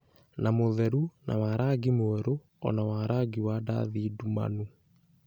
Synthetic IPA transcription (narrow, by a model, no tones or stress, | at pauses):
namoðɛɾunʔa̰waɾaɡimoɛɾo | ɔ̰nawaɾaɡiwada̰ðiduma̰nu